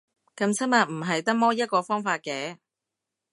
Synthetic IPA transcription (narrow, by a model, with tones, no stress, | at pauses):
kɐ˧msʰɐ˥ma˨t̚m̩˨˩ɦɐ˨jt̪ɐ˥k̚mɔː˥jɐ˥t̚kɔː˧fɔː˥ŋfaː˧t̚kɛː˨˥